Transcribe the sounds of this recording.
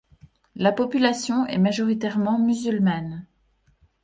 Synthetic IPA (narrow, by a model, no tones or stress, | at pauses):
lapɔpylasjɔ̃ɛ̰maʒɔʁit̪ɛʁmɑ̃myzylman